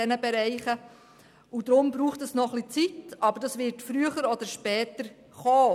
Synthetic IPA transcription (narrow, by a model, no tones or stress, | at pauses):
ɛnəbɛɾɛɪχə | ud̪ɾʊmbɾuːχtəsnɔχlit͡sitɑbəɾdɑsʋɪɾtfɾyəχəɾɔd̪əɾʃpɛːtəɾ | χɔː